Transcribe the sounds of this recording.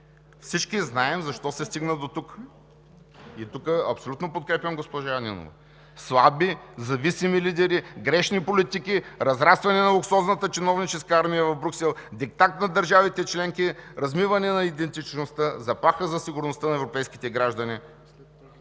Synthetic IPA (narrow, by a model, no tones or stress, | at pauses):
fsit͡ʃkiznaɛmzɐʃt̪ɔsɛst̪iɡnəd̪ot̪uk | it̪ukəɐpsolut̪nopot̪kɾɛpjʲɐmɡospɔʒaɐnḭno̰vɐ̰ | slˠabizɐvisimilid̪ɛɾiɡɾɛʃnipolit̪ikiɾɐzɾast̪vɐnɛnɐlˠʊksɔznət̪ət͡ʃinɔvnit͡ʃɛskəaɾmijəvɐvbɾʲuksɛlˠd̪ik̚t̪akt̪nɐd̪ɐɾʒavit̪ɛt͡ʃlɛŋkiɾɐzmivɐnɛnɐid̪ɛnt̪it͡ʃnost̪əzɐpˠaxəzɐsiɡʊɾnost̪ənɐɛvɾopɛjski̥t̪ɛɡɾaʒd̪ɐni